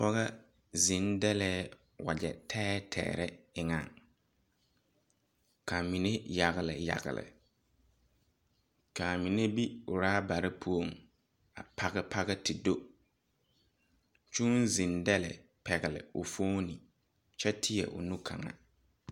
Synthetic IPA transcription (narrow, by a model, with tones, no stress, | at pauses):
pɔ˦ɣa˦ | zɪ˨ndɛ˦lɛː˦ | wa̰˨d͡ʒɛ̰˨tʰɛː˦tʰɛ̰ː˨ɾɛ˦ɪ˨ŋa˨ŋ | kʰa˨mi˨ne˦ja˨ɣɪ˨lɪ˨ja̰˨ɣɪ̰˨lɪ̰˨ | ka˨mi˨ne˦bi˦ʊ˨ɾaː˦ba˨ɾɪ˦pʰu˦o˨ŋ | a˨pʰa˦ɣɪ˦pʰa˦ɣɛ˦tʰɪ˨do˦ | t͡ʃu˦nzĩ˨ndɛ˦lɛ̰˨ | pɛ˨ɣɪ˨lɪ̰˨ʊ˨foː˦ni˨ | t͡ʃɛ˦tʰɪ˦jɛ̰˨ʔʊ̰˨nu˦kʰa̰˨ŋa̰˨